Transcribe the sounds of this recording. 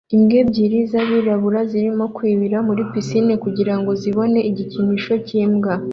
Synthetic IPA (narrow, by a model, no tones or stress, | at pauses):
imɡebɟiɾizaβiːɾaβuɾaziɾimo̞kwiːβiɾamuɾipisinekuɟiɾaŋɡo̞ziβo̞ne̞iɟiciniʃo̞ciːmɡa